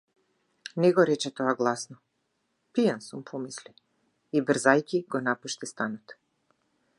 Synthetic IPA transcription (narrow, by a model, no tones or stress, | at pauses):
nɛɡɔɾɛt͡ʃɛt̪ɔaɡlˠasnɔ | pijansumpʰɔmisli | ibr̩zajcʲiɡɔnapuʃt̪ist̪anɔt̪